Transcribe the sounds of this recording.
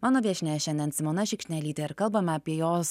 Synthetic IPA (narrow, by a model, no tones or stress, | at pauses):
mɑːnoːʋʲiɛʃʲnʲɛːʃʲɛnʲd̪ʲɛnsʲɪmoːnɐʃʲɪkʃʲnʲɛlʲiːt̪ʲɛɪɾkɐlˠbɐmʲɛɐpʲiɛjoːs